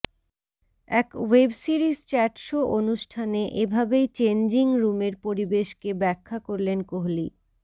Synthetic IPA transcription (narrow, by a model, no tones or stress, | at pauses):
ɛkwebsiɾist͡ɕɛʈʃoʔonuʃʈʰaneʔebʱabejt͡ɕend͡ʑiŋɾumeɾpoɾibeʃkebɛkʰːakoɾlenkoɦli